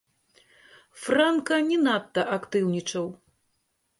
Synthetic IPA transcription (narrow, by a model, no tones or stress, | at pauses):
frankɐnʲinat̪ːɐʔakt̪ɨwnʲit͡ʂɐw